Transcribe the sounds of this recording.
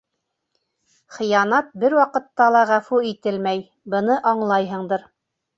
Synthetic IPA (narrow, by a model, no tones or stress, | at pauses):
χɤ̆jɑnɑt̪̚bɘɾwɑqɤ̆t̪ːɑlˠɑʁæfuit̪ɘlmæj | bɤ̆nɤʔɑɴlˠɑjɦɤ̆ɴd̪ɤɾ